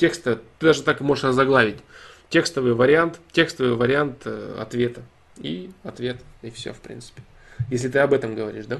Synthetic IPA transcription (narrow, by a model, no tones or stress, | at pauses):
tʲe̞kst̪ət̪ːɨd̪aʐɨt̪akɨmo̞ʐɨʂrəzɐɡlˠavʲɪtʲ | tʲːekst̪əvɨjvəɾʲɪant̪tʲe̞kst̪əvɨjvəɾʲɪant̪ɐ̰t̪vʲe̞t̪ə | iɐt̪vʲe̞t̪ifsʲo̰fpɾʲḭnt̪sɨ̥pʲɪ̥ | jesʲlʲɪt̪ɨɐbɛt̪əmɡəvɐɾʲḭʂd̪a